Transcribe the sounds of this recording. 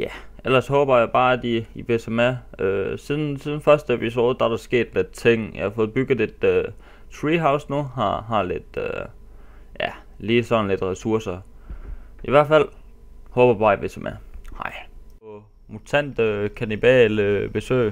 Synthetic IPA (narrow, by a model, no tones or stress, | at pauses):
jæʔel̰ɐshɔ̽ːb̥ɐjɑ̈ɪb̥ɑ̈ːæd̥iiʋe̝sʰemæøsiðˠn̩siðˠn̩fɶɐsd̥əepʰis̬o̝̰ːð̩ˠd̥æd̥ɑ̈sɡ̥e̝̰ːd̥led̥t͡sʰeŋ̰jɑhɑfɔ̽ːð̩ˠb̥yɡ̥ð̩ˠe̝d̥ø | t͡sʰʁiːɦäʊsnuɦɑɦɑ̈le̝d̥ø | jæ | liːsɒ̽n̩le̝d̥ʁɛsuɐsɐ | iʋæɐd̥fæl̰ | hɔ̽ːb̥ɐbɑ̈ːiʋesʰemʔæhɑ̰ɪ̰pʰɒ | mut͡sʰæn̰d̥kʰænib̥ɛ̰ːləb̥e̝sø̰ː